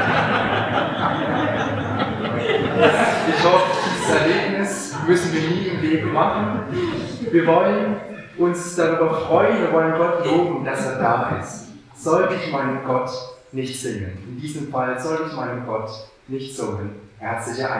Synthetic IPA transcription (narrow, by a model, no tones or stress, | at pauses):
a | a | ʔɪçhɔfəd̥iːzəsɛɐɡeːpnɪs | mʏsn̩viːɐniːɪmleːbəmaχn̩ | viːɐvɔlən | ʔʊnsd̥aʁyːbɐfʁ̥ɔʏənviːɐvɔlənɡɔtloːbm̩d̥aseːɐdaːʔɪ̰st | z̥ɔltəɪçmaɪnəmɡɔtnɪçtz̥ɪŋənɪndiːzəmfalzɔltəɪçmaɪnəmɡɔt | nɪçtz̥oːŋənhɛɐt͡slɪçɐʔa